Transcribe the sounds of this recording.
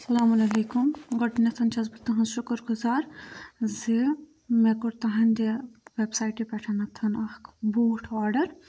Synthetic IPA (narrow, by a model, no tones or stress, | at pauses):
sɐlaːmulɐleːkumɡɐʈnɐt̪ʰɐnt͡ʃɐzbɐt̪ɐɦɐ̃nʃukəɾɡuzaːɾze | meɡuɽt̪ɐɦɐnd̪ʲeʋebsaːjʈipɛʈʰɐnɐt̪ʰɐnɐhkbuːʈʰʋaːɖɐɾ